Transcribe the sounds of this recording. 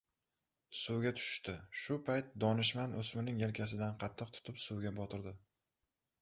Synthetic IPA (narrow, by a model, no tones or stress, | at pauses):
suwɡʲat̪ʰʊ̥ʃɪ̥ʃt̪ɪʃʊpʰajt̪̚d̪ɒnɪʃmanʔosmɪnɪŋjelkʲʰas̬ɪd̪anqʰɑt̪ʰːɨq̚t̪ʰʊ̥t̪ʰɪpsuwɡʲabɒt̪ʰɪɾd̪ɪ